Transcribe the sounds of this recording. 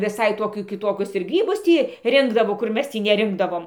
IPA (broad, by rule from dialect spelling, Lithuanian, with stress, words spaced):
ʋʲɪˈsɐɪ ˈtoːkʲuː kʲɪˈtoːkʲʊs ɪr ˈɡrʲiːbʊs ˈtʲiː ˈrʲɪŋɡdɐʋoː kʊr ˈmʲɛs ˈtʲiː nʲɛˈrʲɪŋɡdɐʋoːm